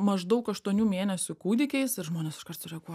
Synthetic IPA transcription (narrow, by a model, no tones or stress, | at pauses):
mɐʒd̪ɐʊkɐʃt̪uɔnʲuːmʲeːnʲɛsʲʊkuːd̪ʲɪkʲɛɪsɪɾʒmoːnʲeːsɪʃkɐrt̪sʊɾʲɛɡuɔ